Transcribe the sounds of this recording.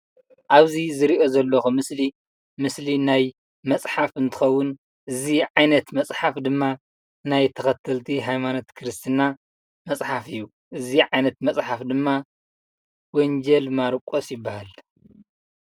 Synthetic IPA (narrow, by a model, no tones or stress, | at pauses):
ʔaβzizɨɾiʔo̞zɐlːoxumɨsli | mɨslinaj | mɐsʼħafɨnt̪ʰɨ̥xɐwːʊn | ʔɨziʕajnɐt̪mɐsʼħafd̪ɨmːa | najt̪ʰɐxɐt̪ʰːɐlt̪ʰiɦajmanot̪kʰɨɾɨst̪ʰɨna | mɐt͡sʼħafɨjːu | ʔɨziʕajnɐt̪mɐt͡sʼħafd̪ɨmːa | wɔnd͡ʒɐlmaɾkʼosjɪbːahal